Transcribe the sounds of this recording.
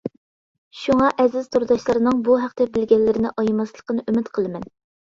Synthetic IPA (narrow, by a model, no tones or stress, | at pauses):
ʃuŋɑʔɛzɪzt̪ʰuɾd̪ɑʃlˠɑɾɨnɨŋbuɦæqt̪ɛbɪlɡʲɛlːɪɾɪnɪʔɑjmɑslˠə̥qənɨʔymɪt̪qʰəlˠɨmɛn